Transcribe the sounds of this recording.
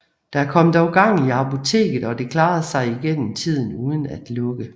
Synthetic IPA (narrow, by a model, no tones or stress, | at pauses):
d̥ææɐkʰɒ̽m̰d̥ɒʊɡ̥ɑ̈ŋ̰iɑ̈pʰo̝t͡sʰe̝̰ːɡ̥ð̩ˠɒ̽d̥e̝kʰlɑ̈ːð̩ˠsɑ̈ɪiɡ̥en̰m̩t͡sʰið̞̰ˠn̩uːð̞ˠn̩æd̥lɔ̽ɡ̥ə